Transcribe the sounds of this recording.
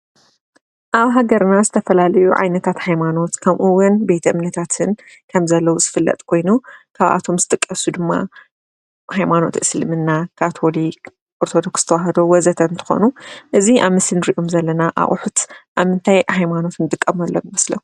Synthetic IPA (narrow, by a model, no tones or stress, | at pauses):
ʔaβɦaɡɐɾnazɨt̪ʰɐfɐlalɐjuʕa̰jnɐt̪ʰat̪hajmano̞t̪kʰɐβʔuwʊnbe̞t̪ʰɐʔɨmnɐt̪ʰat̪ʰɨn | kʰɐmzɐlːɐwuz̥ɨfɨlːɐ̰t̪ʼkʰo̞jnukʰaβʔa̰t̪ʰo̞mzɨt̪ʼɨkʼːɐsud̪ɨmːa̰ | hajmano̞̰t̪ʔɨslmɨnːakʰat̪ʰo̞lik | ʔoɾt̪ʰo̞d̪o̞ksɨt̪ʰɐwaɦɐd̪owɐzɐt̪ʰɐnt̪ʰɨ̥xo̰nuʔɨziʔaβmɨsɨlnɨɾiʔo̞mzɐlːɐnaʔa̰ʔʼʊħut̪ʔaβmɨnt̪ʰajhajmano̞t̪nɨd̪ʼɨkʼːɐmɐlːɐwmɐslɐ̰